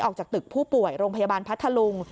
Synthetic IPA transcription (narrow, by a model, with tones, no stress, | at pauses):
ʔɔː˨˩k̚t͡ɕaː˨˩k̚t̪ɯ˨˩k̚pʰuː˥˩pu˨˩əjɾoː˧ŋpʰa˧jaː˧baː˧npʰt̪ʰːa˧lu˧ŋ